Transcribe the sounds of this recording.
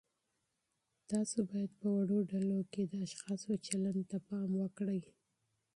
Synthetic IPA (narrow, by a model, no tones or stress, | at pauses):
t̪ɑsobɑjad̪̚pəwaɽoɖaloked̪əaʃxɑsot͡ʃaland̪t̪apɑmwəkɽəj